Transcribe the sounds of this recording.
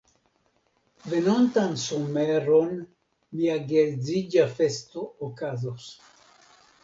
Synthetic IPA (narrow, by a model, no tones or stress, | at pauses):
venont̪ansomeɾon | miaɡelzid͡ʒafest̪ookazos